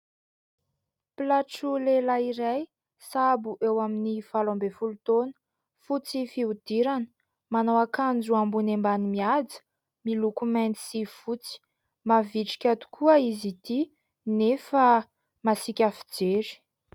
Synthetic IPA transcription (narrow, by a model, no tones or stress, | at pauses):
pilaʈ͡ʂulelaiɾaj | sabuʔewaminifalambefulut̪onə̥ | fut͡sifiud̪̥iɾanə̥ | manowakand͡zuambunembanimiad͡zə̥ | milukumɛnt̪i̥sifut͡si̥ | maviʈ͡ʂi̥kʲat̪u̥kʰuəizit̪i | nefa | masikʲafi̥d͡ʒeɾi̥